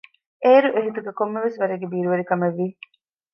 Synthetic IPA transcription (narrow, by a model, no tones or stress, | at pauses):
eːɾuʔeɦit̪uɡekomːeʋesʋɐɾeɡebiːɾuʋɐɾikɐmeʋːi